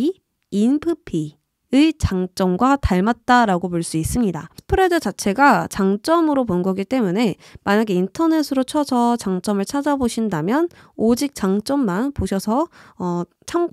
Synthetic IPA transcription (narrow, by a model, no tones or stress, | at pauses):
inpʰɯpʰi | ɯit͡ɕaŋt͡ɕ͈ʌmɡwataɭmat̚t͈aɾaɡop̬oɭs͈uis͈ɯmɲidapʰɯɾedɯt͡ɕat͡ɕʰe̞ɡat͡ɕaŋt͡ɕ͈ʌmɯɾoponɡʌɡit͈e̞mune̞ | maɲaɡe̞intʰʌne̞sʰɯɾot͡ɕʰʌsʰʌt͡ɕaŋt͡ɕ͈ʌmɯɭt͡ɕʰad͡ʑaboɕʰindamjʌnod͡ʑik̚t͡ɕ͈aŋt͡ɕ͈ʌmːanpoɕʰʌsʰʌʌ | t͡ɕʰam